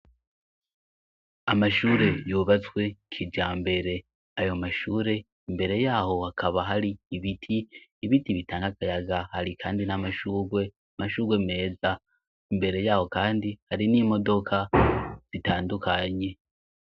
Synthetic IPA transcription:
amaʃuːɾe̞joβat͡swe̞kʰid͡ʒaːmbe̞ɾe̞ | ajo̞maʃuːɾe̞ | imbe̞ɾe̞jaːɦo̞hakʰaβaɦaɾiːβitʰiːβitiβitaːŋɡakajaɡahaɾikʰaːndinamaʃuːɡwe̞ | amaʃuːɡwe̞me̞ːza | imbe̞ɾe̞jaːho̞kaːndihaɾiniːmo̞do̞kʰaz̥itaːndukʰaɲe̞

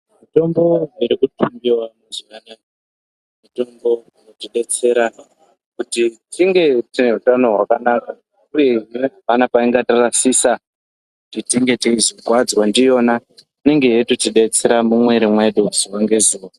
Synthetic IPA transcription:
mito̞mbo̞iɾikutʰumbiwamuzikana | mito̞mbo̞ | notiɗe̞t͡se̞ɾa | kutitiŋɡe̞tine̞utano̞ɦwa̰kanaːka | uje̞imeɦapanapaiŋɡatarasisa | kutitiŋɡe̞tiizokwad͡zwandijo̞ːna | ine̞ŋɡe̞jetutiɗe̞t͡se̞ɾamumwe̞ɾimwe̞ɗuziwaŋɡe̞zuːwa

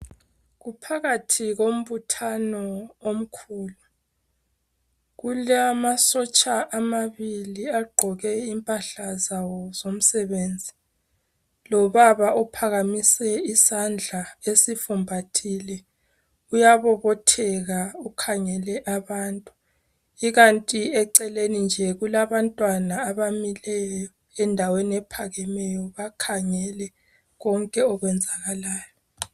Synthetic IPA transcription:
ɣupʰaɣatʰiɣom̩βutʰanɔom̩kʰuːlu | ɣulamasɔt͡ʃʼaʔamaβiliaɡ͡ǃʱɔɣɛimpʼaɬazawɔzom̩sɛβeːnd͡zʱi | lɔβaβaʔɔpʰaɣamisɛisand͡ɮʱaesifumbʱatʰilɛ | ujaβɔβɔtʰɛɣaukʰaŋɛlɛʔaβaːntʼu | iɣantʼiɛǀɛlenind͡ʒʱɛɣulaβantʼwanaːβamilɛjjɔ | ɛndʱaweniɛpʰaɣɛmɛjɔβakʰaŋɛlɛ | ɣɔŋkʼɛɔɣwɛnd͡zʱaɣalaːjɔ

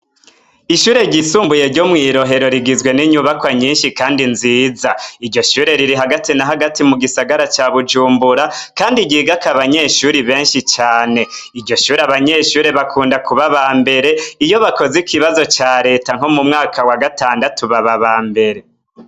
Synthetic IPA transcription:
iʃuːɾe̞ɟisuːmbuje̞ɾɟo̞mŋiːɾo̞ɦe̞ɾo̞ɾiɡizɡwe̞niɲuβakwaɲiːnʃikaːndinziːzaiɾɟo̞ʃuːɾe̞ɾiɾiɦaɡatinaɦaɡatimuɡisaɡaɾat͡ʃaːβud͡ʒuːmbuɾakaːndiɟiːɡakaβaɲe̞ʃuːɾiβe̞ːnʃit͡ʃaːne̞iɾɟo̞ʃuːɾeaβaɲe̞ːʃuːɾeβakʰuːndakuβaβaːmbe̞ɾe̞ijo̞βako̞zikiβazo̞t͡ʃaːɾe̞ːtaŋ̥homumŋaːkʰawaɡataːndatuβaβaβaːmbe̞ɾe̞

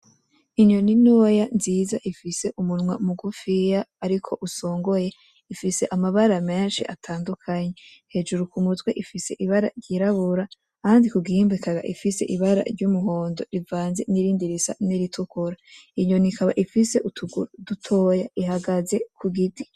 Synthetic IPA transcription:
iɲo̞ninojanziːzaʔifise̞ʔumunmwamuɡufijaːɾikʰo̞ʔuso̞ːŋɡo̞je̞ | ifise̞ʔamaβaɾame̞ːnʃiʔatʰaːndukʰaɲe̞ | he̞ːd͡ʒuɾukumuzɡweʔifise̞ʔiβaɾa̰ɾɟiɾaβuɾa | kaːndikuɡiimbikaɡa̰ʔḭfise̞ʔiβaɾa̰ɾɟumuho̞ːndo̞̰ɾivaːnze̞̰niɾiːndiɾisa̰niɾitʰukuɾaiɲo̞nikaβa̰ʔifise̞ʔutʰuɡuɾdutʰo̞ːjaʔihaɡaze̞kʰuɡiti̥

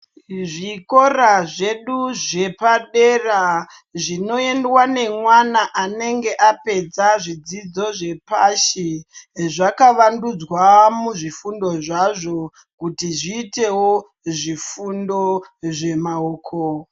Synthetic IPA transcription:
ʐiko̞ɾaʐe̞ɗuʐe̞paɗe̞ra | ʐino̞e̞ndwane̞mwanaʔane̞ŋɡe̞ʔape̞d͡zaʐid͡zid͡zo̞ʐe̞paʃiʐakaʋandud͡zwamuʐifundo̞ʐaʐo̞ | kutiʐiːte̞wo | ʐifundo̞ʐe̞maoːkʰo

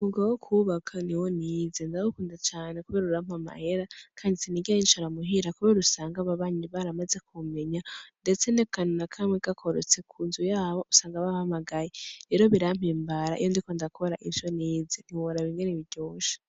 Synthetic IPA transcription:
uɡawokʰuβakʰaniwo̞niːzendawukuːndat͡ʃaːne̞kuβeɾaɾuɾam̥hama̰he̞ɾakʰaːndisiniɡiainʃoɾamuɦiɾakuβeɾusaːŋɡaβaβaɲiβaɾamaze̞kʰume̞ɲande̞t͡se̞nekannakʰamweɡakʰo̞ɾo̰t͡se̞kʰuːnzujaːβo̞usaːŋɡaβahamaɡajeɾe̞ːɾo̞βiɾam̥iːmbaɾa̰ʔḭjondiko̞ndakʰoɾaʔinʃo̞niːzeniwoɾaβiːŋɡeɾeβiɟoːʃḁ

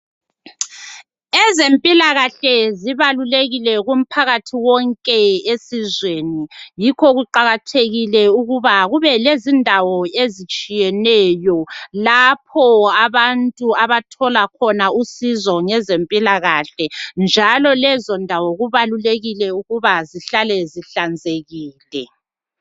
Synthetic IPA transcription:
ɛzempʼilaɣaɬɛziβaluleɣilɛɣum̩pʰaɣatʰiwɔŋkʼɛesizweːnijikʰɔɣuǃaɣatʰeɣilɛuɣuβaɣuβɛlezindʱawɔezit͡ʃʼijɛnɛjɔlap̚ʰɔaβantʼuaβatʰɔlakʰɔnausizɔŋɛzempʼilaɣaɬɛnd͡ʒʱalɔlɛzɔndʱawɔɣuβaluleɣilɛuɣuβaziɬalɛziɬand͡zʱeɣiːlɛ

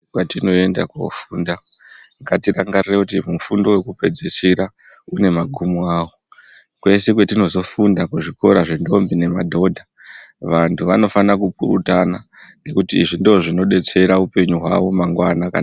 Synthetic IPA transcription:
kwatino̞e̞nda̰kuo̰fuːnda | ŋɡatiraŋɡarirekutimufundo̞we̞kupe̞d͡zesiɾa | une̞maɡʱumuaːwo | kwe̞sek̬wetino̞zo̞fundakuʐiko̞ɾaʐendo̞mbine̞madʱo̞dʱa | ʋantʰuʋano̞fanakup̚uɾṵtana | ŋɡe̞kutiːʐindooʐino̞ɗe̞t͡se̞ɾaupe̞ɲuɦwa̰ʋo̞maŋɡwanakana

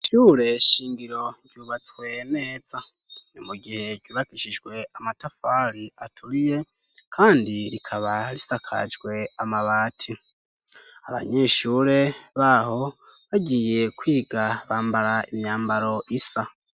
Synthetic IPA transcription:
ʃuːɾe̞ʃiːŋɡiɾo̞ɾjuːβat͡swe̞ne̞ːz̥a | nimuɡihe̞ɾɟuːβakiʃid͡ʒɡwe̞amatafaɾiatʰuɾije̞ | kʰaːndiɾikʰaβaɾisakʰa̰d͡ʒɡwe̞amaβaːtʰi | aβa̰ɲe̞ʃuːɾe̞βaːho̞ | βaɟiːje̞kwiːɡaβaːmbaɾaimɲaːmbaɾo̞ʔisa

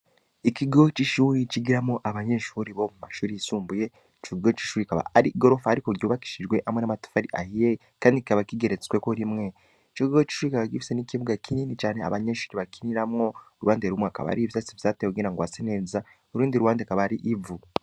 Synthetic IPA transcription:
ikiɡo̞t͡ʃiʃuɾit͡ʃiɡiɾamoʔaβaɲe̞ːʃuɾiβo̞mumaʃuːɾiisuːmbuje̞ | t͡ʃikɡo̞t͡ʃi̥ʃuɾikaβa̰aɾiɡo̞ɾo̞faaɾikoɡoβaki̥ʃid͡ʒɡwe̞ʔamwenamatu̥faɾiʔahije | kaːndiki̥kaβakiɡe̞ɾet͡swekoɾimŋe̞ | it͡ʃokiɡot͡ʃi̥ʃuɾikaβakifi̥senikiβuɡakʰininit͡ʃaːne̞a̰βaɲeːʃuːɾiβakiniɾamŋo̞ɾuwaːndeɾumeaka̰βa̰ɾiβisat͡sivjaːteoɡiːnaŋɡwaseneːza | oɾuːndiɾuwaːndekaβaɾiʔivu

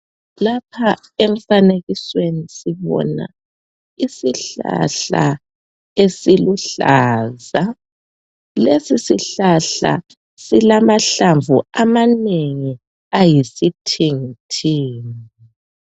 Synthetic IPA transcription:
lapʰaeɱ̩faneɣiswenisiβɔ̰na̰ | isiɬa̰ɬa̰ | esiluɬaːza | lesisiɬaɬa̰ | silamaɬaɱvuamaneŋi | ajisitʰiŋitʰiːni

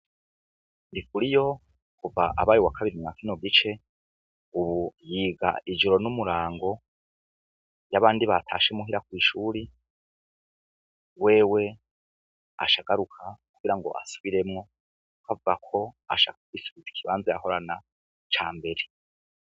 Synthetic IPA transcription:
ndikuɾijo̞ | kuvaʔa̰βaːjuwakʰaβiɾimŋakinoɡit͡ʃe̞ | uβujiːɡa̰ʔid͡ʒoɾo̞numuɾaːŋɡo̞ | jaβaːndiβatʰa̰ːʃe̞muɦiɾakwiːʃuːɾi | we̞ːwe̞ | a̰ʃaɡ̥aɾukʰakuɡ̥iɾaŋɡo̞̰ʔa̰su̥βiɾe̞mŋo̞ | kavuɡakʰo̞a̰ʃa̰kakwisu̥βizikʰiβaːnzaja̰ho̞ɾana | t͡ʃaːmbe̞ɾe

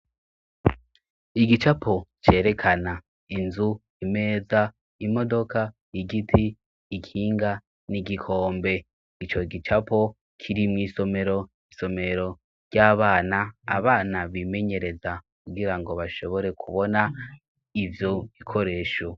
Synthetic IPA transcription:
iɡit͡ʃapʰot͡ʃe̞ːɾe̞kʰana | inzu | ime̞ːza | imo̞do̞ka | iɡitʰiː | kʰiːŋɡa | niɡikʰo̞ːmbe̞ | it͡ʃo̞ɡit͡ʃapo̞ | kʰiɾimŋiːso̞me̞ɾo̞ | iso̞me̞ɾo̞ | ɾɟaːβaːnaa̰βaːnaβime̞ɲe̞ɾe̞zakuɡiɾaŋɡo̞βaʃo̞βo̞ɾe̞kʰuβo̞na | ivjo̞ikʰo̞ɾe̞ːʃo

